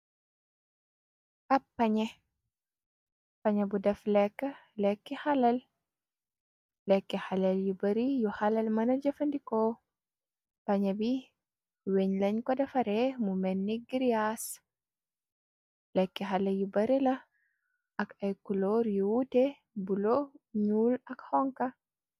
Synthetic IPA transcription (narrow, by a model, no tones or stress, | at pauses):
ʔapːɐɲɛ | paɲɛbudɛflɛkːəlɛkːɛhalɐl | lɛkːɛhalɐljubɐɾijuhalɐlmɐnɐd͡ʒɐfɐndikɔ | pɐɲɛbi | weɲlɐɲkɔdɐfɐɾɛmumɛnːiɡiɾijas | lɛkːɛɦalɐjubɐɾilɐ | ɐkɐjkulɔːɾjuwute | buloɲuːlɐkhɔŋkɐ